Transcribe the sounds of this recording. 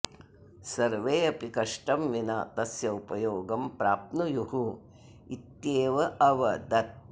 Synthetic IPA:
sɐɾʋeːɐpikɐʂʈɐmʋina̰ːt̪ɐsjɐupɐjoːɡɐmpɾaːp̚nujuhu | it̪jeːʋɐʔɐʋɐd̪ɐt̪̚

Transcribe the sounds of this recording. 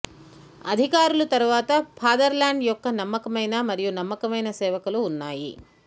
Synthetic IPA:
ɐd̪ʱikaːɾulɐt̪ɐɾuʋaːt̪ɐpʰaːd̪ɐɾlaːɳɖjɔkːɐnɐmːɐkɐmɐjnamɐɾijunɐmːɐkɐmɐjnɐsɛːʋɐkuluːnːaːjḭ

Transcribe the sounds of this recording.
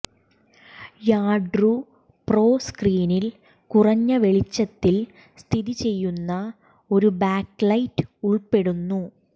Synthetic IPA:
jaːɖru | pro̞ːskriːnil | kurɐɲːɐʋe̞ɭit͡ɕːɐt̪ːil | st̪ʰiðit͡ɕe̞jːunːɐ | o̞ɾubaːklɐjtːɨ̥uɭpe̞ɽunːu

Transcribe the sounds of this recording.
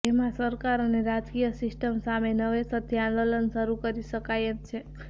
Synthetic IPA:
emãsəɾkaɾəneɾad͡ʒkijəsɪsʈəmsamenəʋesət̪ʰːjãnd̪olənʃəɾukəɾiʃəkajət̪̚t͡ʃʰe

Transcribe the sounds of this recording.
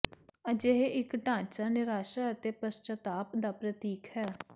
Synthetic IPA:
əd͡ʒeɦeʔɪkɖãːt͡ʃaːnɪɾaːʃaːət̪eːpəst͡ʃət̪aːpd̪aːpɾət̪iːkʰhɛː

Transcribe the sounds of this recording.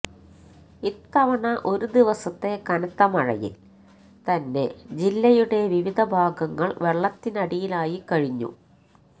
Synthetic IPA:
it̪ːɐʋɐɳɐʔo̞ɾud̪iʋɐsɐt̪ːe̞kɐnɐt̪ːɐmɐɻɐ̰jḭl | t̪ɐnːe̞d͡ʑilːɐjuɽe̞ʋiʋid̪ʱɐbʱaːɡɐŋːɐɭʋe̞ɭːɐt̪ːinɐɽijilaːjikɐɻiɲːṵ

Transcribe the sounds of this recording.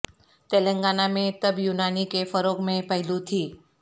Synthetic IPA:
t̪eːlə̃ŋɡaːnamẽt̪ɐbjuːnaːnikefəɾoːkmẽpəɦɪlut̪ʰiː

